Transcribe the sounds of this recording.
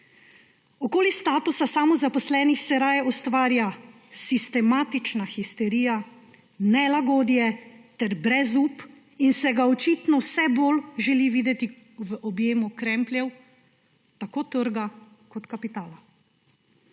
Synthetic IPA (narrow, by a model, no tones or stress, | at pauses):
ɔkoːlist̪aːt̪usasaːmɔzapɔslɛnixsɛɾaːjɔst̪ʋaːɾja | sist̪ɛmaːt̪it͡ʃnaxist̪ɛɾiːja | nɛlaɡoːd̪jɛt̪ɛɾbɾɛzuːp | insɛɡaɔt͡ʃit̪nɔwsɛboːlʒɛliʋiːd̪ɛt̪i | ʋəʔɔbjeːmukɾɛmplʲjɛw | t̪akoːt̪əɾɡa | kɔt̪kapit̪aːla